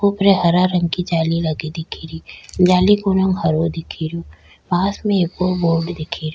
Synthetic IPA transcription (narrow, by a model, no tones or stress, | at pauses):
upɾeɦɐɾaɾɐ̃ŋɡkid͡ʒaːlilɐɡed̪ɪkʰiɾiːd͡ʒaːlikʊnə̃ŋɡɦɐɾod̪ɪkʰiɾo | maːsmẽeːkoboːɾɖd̪ɪkʰiɾo